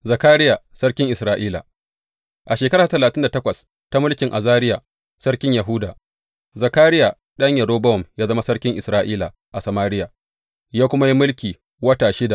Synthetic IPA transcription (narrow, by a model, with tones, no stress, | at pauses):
zɐ˨kaː˦ɾɪ˦ja˨sɐ˦ɽkʲɪ˦ŋʔɪ˨sɾaː˦ʔiː˦la̰˨ | ʔa˨ʃeː˨kɐ˦ɾaː˨a˦tɐ˨laː˨tɪ˦nda˨tɐ˦kʷɐ˨s | ta˦mʊ˦lkʲɪ˨ŋʔa˨zaː˦ɾɪ˦ja˨ | sɐ˦rkʲɪ˦ɲjɐ˨ɦʊ˦daː˨ | zɐ˨kaː˦ɾɪ˦ja˨ | ɗɐ˦ɲjɐ˨ɾoː˦bɐ˦ɔ˨mjaː˦zɐ˦ma˦sɐ˦ɽkʲɪ˦ŋʔɪ˨sɾaː˦ʔiː˦la̰˨ | ʔa˨sɐ˨maː˦ɾɪ˦ja˨ | jaː˦kʷʊ˦ma˦ji˦mʊ˦lkʲiː˨ | wɐ˦taː˨ʃɪ˦da˨